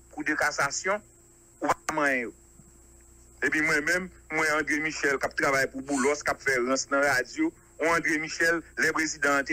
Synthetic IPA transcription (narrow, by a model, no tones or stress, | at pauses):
kud̪əkasasjɔ̃ | upamãjɛ̃jo | epĩmwɛ̃mɛ̃mːwɛ̃ãd̪ɣemĩʃɛlkap̚t̪ɾavajpubulɔskapfɛɣɐ̃snɐ̃ɣad͡zjo | ũãd̪ɣemiʃɛlːɛpɣezid̪ãt̪e